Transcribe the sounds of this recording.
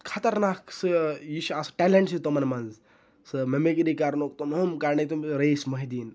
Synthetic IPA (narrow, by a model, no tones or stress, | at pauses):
kʰɐt̪ɐɾnaːksɨjiʃasʈeleɳʈsit̪omɐnmɐnz | sɨmemek̬ɾikaɾnok̚t̪omomkaɾnet̪umɾeismɐɦid̪iːn